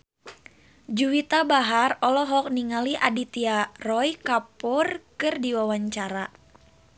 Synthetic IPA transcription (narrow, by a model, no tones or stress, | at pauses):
d͡ʒuwit̪abaɦarɔlɔɦɔk̚niŋaliʔadit̪iarɔjkapʊrkɨrdiwawaɲt͡ʃaɾa